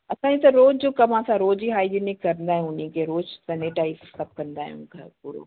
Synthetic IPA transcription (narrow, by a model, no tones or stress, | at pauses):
ɐsãːd͡ʑit̪̬ɐɾoːd͡ʒd͡ʑokɐmãsãɾoːd͡ʒiɦaːid͡ʒenɪkːɐɾə̃nd̪aːɦɛ̃ʊnĩkeɾoːd͡ʒsɐneʈaːissɐb̚kɐ̃nd̪aɦɛ̰̃ʊ̰nkʰapuɾo̰